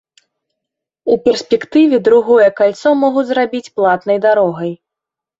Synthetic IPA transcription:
upʲɛrsʲpʲɛkt̪ɨvʲɛd̪ɾuɣɔjɛkalʲt̪sɔmɔɣud͡zʲzɾabʲit͡sʲplˠat̪nɐjd̪aɾɔɣɐj

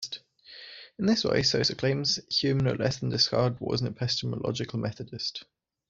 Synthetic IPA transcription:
t | ɪ̃nðɪswḛɪsəʊsəkʰl̥ẽɪ̃mz̥hjʉːmə̃nə̰lɛsðə̃n̩dɪskɑ̰ːdwɒ̰zn̩əpʰɛstəmə̰lɒ̰d͡ʒɪkʰəlˠmʔɛθədɪst

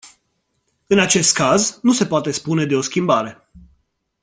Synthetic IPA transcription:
ɨnat͡ʃe̞st̪̚kaznuse̞poat̪e̞spune̞d̪e̞o̞skʲimbaɾe̞

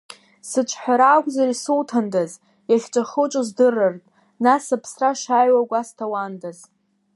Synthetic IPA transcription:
sɨt͡ʃʷʰħʷᶣaɾaːkʷʼzarisɨltʰandaz | jaχʲt͡ʃʷʼaχɨt͡ʃʷʼozdɨrɨrtʼ | nasapʰsraʂajwaɡʷastʰawandaz

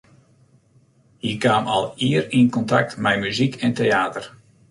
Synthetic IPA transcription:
hiəkʋaːmɑ̰lˠiərinkɔntak̚tmɛjmyzikʰɛntejaːtər

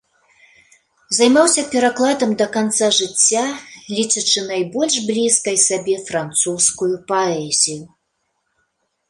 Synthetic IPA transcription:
zajmawsʲɐpʲɛɾaklˠad̪ɐmd̪ɐkant̪saʐɨt͡sʲːalʲit͡ʂɐt͡ʂɨnajbɔlʲʂblʲiskɐjsabʲɛfɾant̪suskujupaɛzʲiju

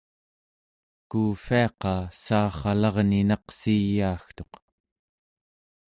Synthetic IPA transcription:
kuːfiɑqɑsɑːχɑlɑʁninɑqsijːaːxt̪o̞q

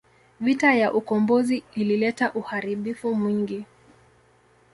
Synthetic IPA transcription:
vitajaʔukɔmbɔziililɛtaʔuhaɾiɓifumwiŋɡi

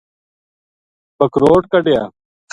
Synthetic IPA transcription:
pəkɾoːʈkəɖjaː

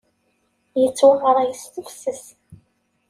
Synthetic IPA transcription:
jət͡sːwaʁəɾˤæjəst̪əfsəs

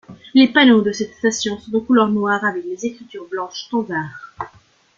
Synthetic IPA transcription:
lepanod̪əsɛt̪st̪asjɔ̃sɔ̃t̪ɑ̃kulœʁnwaʁavɛklezekχit̪yʁblɑ̃ʃt̪ɔ̃d̪aːʁ

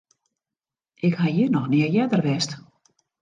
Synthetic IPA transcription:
ɪkhajinɔxniəjɛdərʋɛst

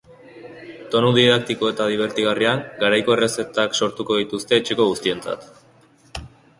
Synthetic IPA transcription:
t̪o̞nuðiðak̚t̪iko̞e̞t̪aðiβ̞e̞ɾt̪iɣariaŋɡaɾajko̞e̞re̞se̞t̪akso̞ɾt̪uko̞ðit̪ust̪e̞ːt͡ʃeko̞ɣust̪ie̞nt͡sa̰t̪

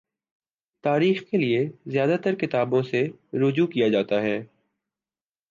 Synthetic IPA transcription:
t̪aːɾiːxkeliezjaːd̪at̪əɾkɪt̪aːbõseɾʊd͡ʒukijad͡ʒaːt̪aɦɛː

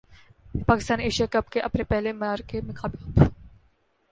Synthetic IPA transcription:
paːkɪst̪aːneːʃijakɐbkeʔɐpnepɛɦlemɐaːɾkemɪkʰaːbiaːt̪

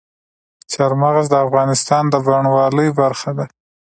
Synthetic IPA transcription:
t͡ʃaɾmaɣaz̬d̪əafɣɑnɪst̪ɑnd̪əbaɳwɑləjbaɾxad̪a

